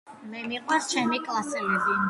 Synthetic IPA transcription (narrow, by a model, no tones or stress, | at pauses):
mɛmiqʼwɛst͡ʃʰɛmikʼlˠasɛlɛbi